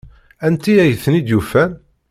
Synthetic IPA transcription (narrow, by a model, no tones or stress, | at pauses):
ænt̪iæjəθənid̪jufæn